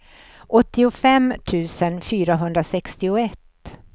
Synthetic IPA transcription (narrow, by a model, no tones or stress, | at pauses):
ʔɔt̪ːɪʊfɛmːt̪ʰʉ̟ːsənfyːɾaɦɵnd̪ɾasɛkst̪ɪʊɛt̪ː